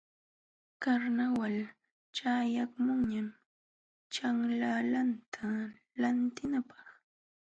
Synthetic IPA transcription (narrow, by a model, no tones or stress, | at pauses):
kaɾnawal | t͡ʃajakmʊŋɲam | t͡ʃaŋlalant̪ʰa | lant̪ɪnapɑ̥χ